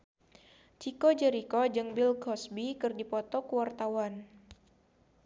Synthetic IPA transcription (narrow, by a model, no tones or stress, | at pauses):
t͡ʃikod͡ʒəɾikɔd͡ʒɨŋbilkɔsbikɨrdipɔt̪ɔkuwart̪awan